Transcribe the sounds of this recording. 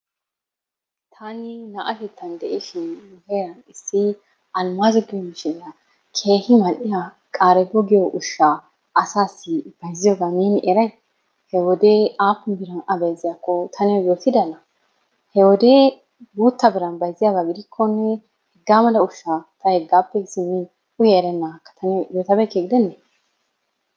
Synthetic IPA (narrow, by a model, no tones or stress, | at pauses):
t̪ʰanɪnaʔɐtɛt̪ːɐnd̪ɛʔɪʃɪnːʊɡɛɾɐnɪsːɪ | ʔɐlmaːzɔɡɪjmɪʃɛɐ | kʰe̞ːhɪmɐlʔɪja | kʼaːɾɛbɔɡɪjɔʔʊʃːa | ʔɐsaːsːɪb̥ɐjzɪjɔːɡaneːnɪʔɛɾɐj | hɛwɔd̪eaːpːʊnbɪɾɐnɐbɐjzɪjakːɔt̪ʰɐnɪjɔjoːt̪ɪd̪ɐlɐ | hɛwɔd̪eː | buːt̪ːɐbɪɾɐnbɐjzɪjaɡaɡɪd̪ɪkʰːɔnːɛ | hɛɡːaːmɐlɐʊʃːat̪ɐhɛɡːaːpːɛsɪnːɪ | ʊjɛɛɾɛnːakːɐ̥t̪ʰɐnɪjoːt̪ɐbɛkeːɡɪd̪ɛnːɛ